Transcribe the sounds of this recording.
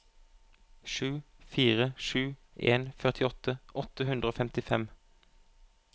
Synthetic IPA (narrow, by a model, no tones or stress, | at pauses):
ʃʉːfiːʁəʃʉː | eːnfœʁt̪ʰɪɔt̪ʰəʔɔt̪əɦʉnd̪ʁəoːfɛmt̪ɪfɛm